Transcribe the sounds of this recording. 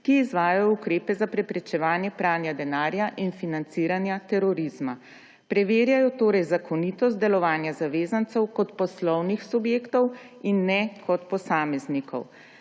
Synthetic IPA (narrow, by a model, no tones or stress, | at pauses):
kiːzʋaːjajɔukɾeːpɛzapɾɛpɾɛt͡ʃɛʋaːnjɛpɾaːnjad̪ɛnaːɾjaʔinfinant̪siːɾanjat̪ɛɾɔɾiz̥ma | pɾɛʋeːɾjajɔt̪oːɾɛjzakʰɔnit̪ɔst̪̚d̪ɛlɔʋaːnjazaʋeːzant̪sɛwkɔt̪pɔslɔwnixsubjeːkt̪ɔw | inːɛkʰɔt̪pɔsaːmɛznikɔ̰w